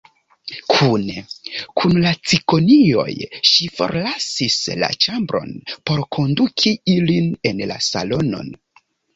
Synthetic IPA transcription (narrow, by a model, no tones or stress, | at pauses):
kʰunekʰunlat͡siko̞nio̞̰jʃifo̞̰ɾlasisla̰t͡ʃambɾo̞̰npo̞ɾkʰo̞ndukʰiiline̞nla̰sa̰lo̞no̞̰n